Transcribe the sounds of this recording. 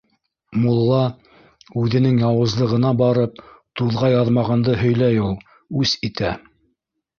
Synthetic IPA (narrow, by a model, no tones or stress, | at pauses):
mulˠːɑ | ʉðɘ̆nɘŋjɑwɤ̆zlˠɤ̆ʁɤ̆nɑbɑɾɤp̚t̪uðʁɑjɑðmɑʁɑnd̪ɤɦɵ̆jlæjulˠ | ʉsit̪æ